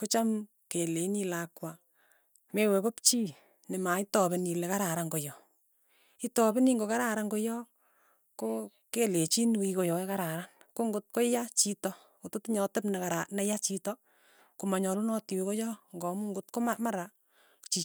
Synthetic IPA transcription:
kot͡ʃam | kelenilakwa | mewekopt͡ʃiː | nemaitɔbenilekaɾaɾaŋɡojɔ | itɔbeniŋɡokaɾaɾaŋɡojɔ | ko | kelet͡ʃinwikojɔekaɾaɾan | koŋɡʊt̚kojat͡ʃitɔ | kototiɲɔtepnɛkaɾanajat͡ʃitɔ | kumaɲɔlunɔtiwikojɔŋɡɔmuŋɡʊt̚komamaɾa | t͡ʃi

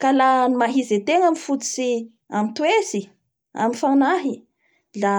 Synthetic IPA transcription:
kalanimaɦizet̪eŋamifut͡s̪i̥si | amit̪uesi | a̰mifanaɦi | la

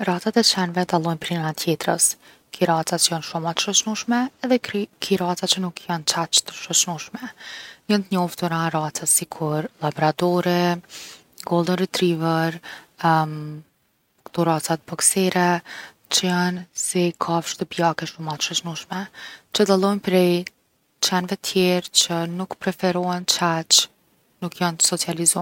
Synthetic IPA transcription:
ɾat͡sat̪ɛt͡ʃɛnvɛd̪alˠɔjnpɾinat̪ʰjɛt̪ɾəs | kʰiɾat͡sat͡ʃəjanʃumat̪ə̥ʃət͡ʃnuʃmɛːðɛkʰiɾat͡sat͡ʃənukjant͡ʃat͡ʃt̪ə̥ʃɔt͡ʃnuʃmɛjənt̪əɲɔft̪uɾaɾat͡sasikʰuɾlabɔɾad̪ɔɾɛ | ɡɔlˠd̪ənɾit̪ɾivəɾ | kt̪uɾat͡sat̪̚bɔksɛɾɛ | t͡ʃəənsɛkʰafʃt̪əpijakɛʃumat̪ə̥ʃət͡ʃnuʃmɛt͡ʃəd̪alˠɔjnpɾɛj | t͡ʃɛnvɛt̪ʰjɛɾt͡ʃənukpɾɛfɛɾɔɛnt͡ʃat͡ʃ | nukjant̪ə̥sɔt͡sializɔ

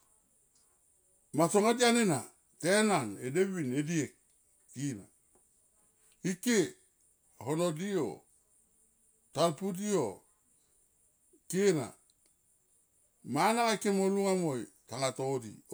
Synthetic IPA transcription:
masoŋadianena̰ | tenanedebinediek̚ː | ina̰ | ikːe | honodio̰ | talpudio̰ | kena̰ | manaŋakːemoluŋamojtaŋatodḭ

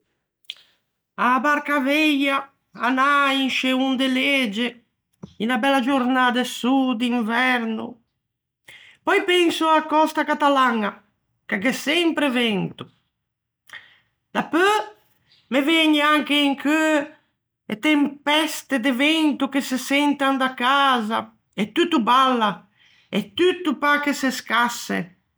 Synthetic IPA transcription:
abaɾkavɛja | anainʃeund̪eled͡ʒe | inabɛlːad͡ʒuɾnad̪esud̪iɱvɛɾnṵ | pɔjpɛnsuakːɔst̪akat̪alaŋa | kakesɛmpɾevɛnt̪u | d̪apø | mevɛɲeaŋkeiŋkʰø | ḛt̪empɛst̪ed̪evɛnt̪uk̟esesɛnt̪and̪akaːza | et̪ut̪ːubalːa | et̪ut̪ːupakeseskasḛ

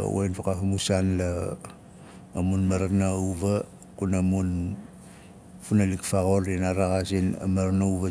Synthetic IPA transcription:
wo̰jnpakafamusanla | munmaɾanawβa | kunamun | funalikfaɣolinaɾaɣasina̰maɾanauβa

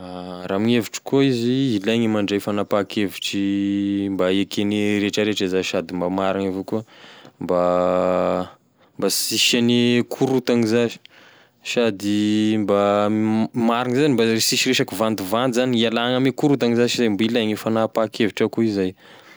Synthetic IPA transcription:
aɾamiɲeviʈ͡ʂi̥koiziilaŋimaɳɖ͡ʐejfanapakʰeviʈ͡ʂimbaekeniɾeʈ͡ʂaɾeʈ͡ʂazaʃad̪imbamaɾiŋavukuəmba | mbasiʃanikʰuɾut̪aŋizaʒi̥ | ʃad̪imba | maɾiŋizanimbasiʃiɾeʃakivand̪uvand̪izanialaŋamekuɾut̪aŋizazizajmbailajŋifanapakʰeviʈ͡ʂakuizaj

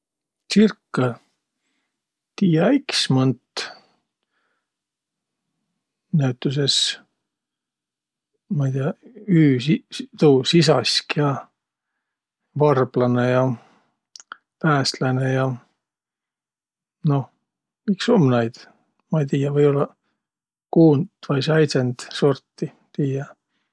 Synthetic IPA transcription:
t͡ssirkːɑ | t̪iːjɑiksmɤnt̪ː | næyt̪ːˑus̬e̞s | mɑijd̪iɑyːit̪uːsis̬ɑskjɑ | vɑrb̥lɑnejɑ | pæːst̪lɑnejɑ | no̞ | mikso̞mːnɑjd̪̥ | mɑit̪iːjɑvɤjo̞lːɑ | kuːnd̪vɑjsæj̪send̪̥so̞rt̪ːi | t̪iːjɑ

